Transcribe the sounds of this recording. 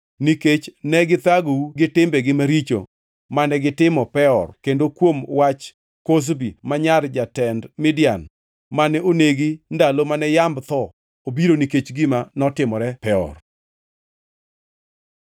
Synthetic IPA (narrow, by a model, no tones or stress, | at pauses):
niket͡ʃnɛɡɪt̪aɡouɡɪtɪmbɛɡɪmaɾit͡ʃo̰ | manɛɡɪtɪmɔpɛɔrkendokwomwat͡ʃ | kos̬bimaɲard͡ʒatɛndmɪdjan | manɛoneɡindalomanɛjambt̪ɔ | obiɾoniket͡ʃɡɪmanɔtɪmɔɾɛpɛɔ̰r